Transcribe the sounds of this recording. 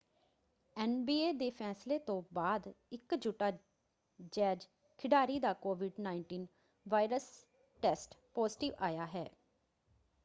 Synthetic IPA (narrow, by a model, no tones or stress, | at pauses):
ɛːnbiːeːd̪eːpʰɛːsleːt̪õːbaːd̪ɪkd͡ʒuːʈaː | d͡ʒɛːd͡ʒ | kʰɪɖaːɾiːd̪aːkoːʋɪɖnaːɪɳʈiːn | ʋaːɪɾəs | ʈɛːsʈpɔːzɪʈɪʋaːjaːɦɛː